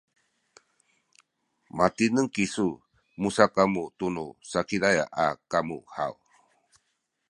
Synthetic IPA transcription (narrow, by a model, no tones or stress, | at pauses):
mat̪inəŋkisu | musakamut̪unusakiɾaja̰ʔakamṵha̰w